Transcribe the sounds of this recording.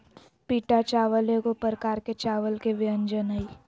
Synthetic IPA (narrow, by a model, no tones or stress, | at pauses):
piːʈat͡ʃaːʋəlekopəɾəkaːɾket͡ʃaːʋəlkeʋɪə̃nd͡ʒənai